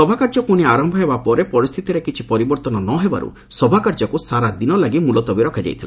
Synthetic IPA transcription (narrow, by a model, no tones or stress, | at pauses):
sɔbʱakaɾd͡ʒɔpuñiaɾɔmbʱɔɦebapɔɾepɔɾist̪ʰit̪iɾekit͡ʃʰipɔɾibɔɾt̪ɔnɔnɔɦeba̰ɾṵ | sɔbʱakaɾd͡ʒɔkusaɾad̪inɔlaɡimulɔt̪ɔbiɾɔkʰad͡ʒa̰jt̪ʰila